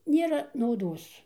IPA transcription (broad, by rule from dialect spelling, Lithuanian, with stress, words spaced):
ˈnʲeːrɐ nɐʊˈdoːs